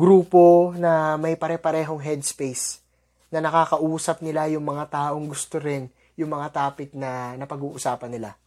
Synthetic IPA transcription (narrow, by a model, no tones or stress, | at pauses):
ɡɾuːpo̞nɐmɐjpɐɾɛpɐɾɛːɦo̞ŋɦɛd̪spejs | nɐnɐkaːkɐʔuːsɐp̚nɪlajʊŋmɐŋat̪aːʔo̞ŋɡʊst̪oɾɪn | jʊŋmɐŋat̪aːpɪt̪̚nɐnɐpɐɡuːʔʊsaːpɐnːɪla